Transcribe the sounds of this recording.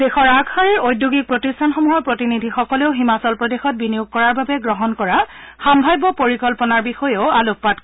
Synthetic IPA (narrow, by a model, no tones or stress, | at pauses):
dexɔɹaɡxaɹiɹojdjuɡik̚pɹotistʰanxɔmuɦɔpɹotinidʱixɔkɔleʊɦimasɔlpɹɔdexɔt̚binijuɡ̚kːɔɹaɹbabɛɡɹɔɦɔnkɔɹa | xambʱajbɔpoɹikɔlpɔnaɹbixɔjeʊaluk̚pat̚